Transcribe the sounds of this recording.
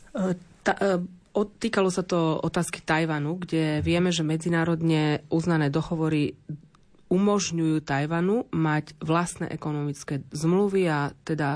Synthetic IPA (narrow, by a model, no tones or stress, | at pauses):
t̪aɔt̪ːiːkalɔsat̪ɔɔt̪aːski̥t̪ajʋanuɡɟɛʋɪɛmɛʒɛmɛd͡zinaːɾɔd̪ɲɛʔuznanɛːd̪ɔɦɔʋɔɾi | umɔʒɲujuːt̪ajʋanumaɟʋlast̪nɛ̰ːʔɛkɔnɔmit͡skɛːzmluʋiat̪ɛd̪a